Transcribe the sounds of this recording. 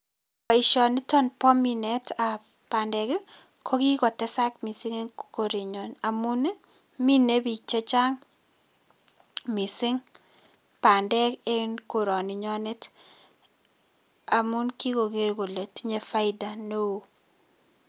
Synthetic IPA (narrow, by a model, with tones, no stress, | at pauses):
pa˨ɪ˨ʃɔ˨ni˦tɔ˦npɔ˦mi˨nɛ˦ta˨ | pa˨ndɛ˨k | kʰo˦ki˦kɔ˨tɛ˦sa˦kmi˨sɪ˦ŋe˦nko˨ɾi˨ɲɔ˨na˨mu˦n˦ | mi˦ne˦bi˨t͡ʃe˦t͡ʃa˦ŋ | mi˨sɪ˦ŋ | pa˨ndɛ˦kɛ˦nko˨ɾɔ˨ni˨ɲɔ˦nɛ˦t | a˨mu˦nki˦ko˨ɡe˨ɾɡo˨le˨tɲe˨fa˦ɪ˦da˨no˦o˦